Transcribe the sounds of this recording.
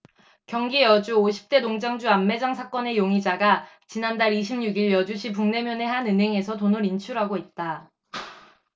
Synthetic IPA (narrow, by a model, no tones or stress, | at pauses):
kjʌŋɡijʌd͡ʑuoɕʰi̥p̚t͈e̞noŋd͡ʑaŋd͡ʑuamːe̞d͡ʑaŋsʰak͈ʌne̞joŋid͡ʑaɡa | t͡ɕinandaɾiɕʰimɲuɡiɭjʌd͡ʑuɕʰip̬uŋne̞mjʌne̞ɦanɯnɦeŋe̞sʰʌtonɯɾint͡ɕʰuɾɦaɡoit̚t͈a